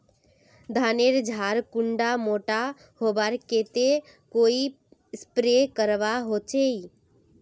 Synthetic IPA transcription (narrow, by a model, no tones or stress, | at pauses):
d̪ʱaːneɾd͡ʒʱaːɾkʊɳɖamoːʈa | hoːbaɾkeːt̪e | koːi | spɾekəɾʋaɦot͡ʃei